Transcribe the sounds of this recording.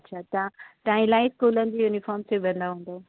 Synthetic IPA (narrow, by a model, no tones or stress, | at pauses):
ɐtːɕʰat̪ãʈãːĩlaːĩskuːlənɪ̆d͡ʑijuːnifɔːɾmseʋɐ̃nd̪aɦũːn̆d̪oː